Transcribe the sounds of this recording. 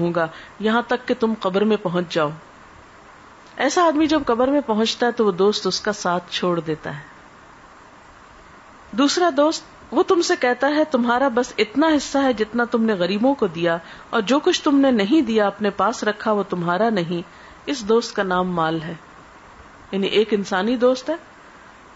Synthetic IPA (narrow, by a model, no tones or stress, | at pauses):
õːɡajɐɦãt̪ɐkːet̪ʊmqɐbəɾmẽpɐɦʊ̃ɲt͡ʃd͡ʒaːoː | ɛːsaːd̪mid͡ʒɐb̚qɐbəɾmẽpɐɦʊ̃t͡ʃt̪aɦɛt̪oʋod̪oːst̪ʊskasaːt̪ʰt͡ʃʰoːɽd̪eːt̪a̰ɦɛː | d̪uːsɾad̪oːst̪ | ʋot̪ʊmsekɛɦt̪aɦɛt̪ʊmɦaːɾabɐsɪt̪naɦɪsːaɦɛd͡ʒɪt̪nat̪ʊmneɣɐɾiːbõkod̪ijaɔːɾd͡ʒoːkʊt͡ʃʰt̪ʊmnenɐɦĩd̪ijaɐpnepaːsɾɐkʰːaʋot̪ʊmɦaːɾanɐɦĩ | ɪsd̪oːst̪̚kanaːmːaːlɦɛː | jaːniʔeːkɪnsaːnid̪oːst̪ɦɛː